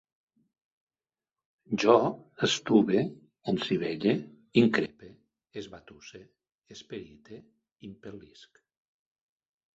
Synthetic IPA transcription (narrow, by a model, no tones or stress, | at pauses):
ʒɔəst̪uβe | omsiβeʎe | iŋkɾepe | ezβat̪use | espeɾit̪ʰe | impelisk